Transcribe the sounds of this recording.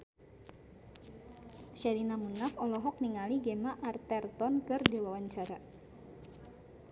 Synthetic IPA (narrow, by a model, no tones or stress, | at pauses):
ʃadinamunafɔlɔɦɔk̚niŋaliɡemaʔart̪ɛrt̪ɔnkɨrdewawaɲt͡ʃaɾa